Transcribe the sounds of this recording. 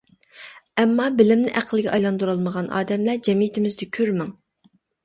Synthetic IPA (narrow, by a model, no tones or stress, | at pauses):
ɛmːɑbɪlɪmnɪ̰ʔæqʰəlˠɪɡʲɛʔɑjlˠɑnd̪uɾɑlˠməʁɑnʔɑ̰ːd̪ɛmlæd͡ʒɛmijit̪ʰɪmɪzd̪ɪkʲʰøɾmɪŋ